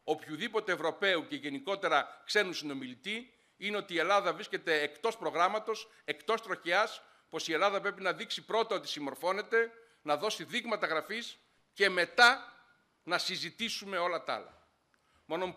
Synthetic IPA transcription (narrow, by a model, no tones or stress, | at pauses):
o̞pçuðipo̞t̪e̞ːvɾo̞pe̞uceʝe̞niko̞t̪e̞ɾɐkse̞nunsino̞milit̪i | ine̞o̞t̪iːe̞lɐðɐvɾisce̞t̪e̞ːkt̪o̞spɾo̞ɣɾɐmɐt̪o̞s | e̞kt̪o̞st̪ɾo̞çeɐs | po̞sie̞lɐðɐpɾe̞pinɐðiksipɾo̞t̪ɐo̞t̪i̥simo̞ɾfo̞ne̞t̪e̞ | nɐðo̞siðiɣmɐt̪ɐɣɾɐfis | ce̞me̞t̪ɐ | nɐsizit̪isume̞o̞lɐt̪ɐ̰lɐ̰ | mo̞nom